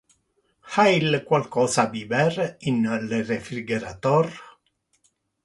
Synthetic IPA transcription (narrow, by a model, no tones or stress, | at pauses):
hailkwalkɔːsabibɛrinlerefɾiɡeɾa̰t̪ɔr